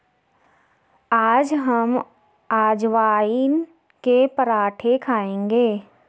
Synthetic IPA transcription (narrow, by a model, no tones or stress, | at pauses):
aːd͡ʒɦəm | aːd͡ʒʋaːin | kepəɾaːʈʰekʰaːẽːŋɡeː